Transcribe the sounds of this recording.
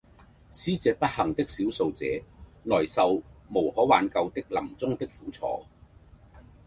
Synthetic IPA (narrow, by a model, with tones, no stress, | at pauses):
siː˥t͡sɛː˧pɐ˥t̚hɐ˨˩ŋt̪ɪ˥k̚siː˨˥wso˧wt͡sɛ̰ː˨˧nɔː˨˩jsɐ˨˧wmo˨˩whɔː˨˥waː˨˧nkɐ˧wt̪ɪ˥k̚lɐ˨˩mt͡sʊ˥ŋt̪ɪ˥k̚fuː˨˥t͡sʰɔ̰ː˨˧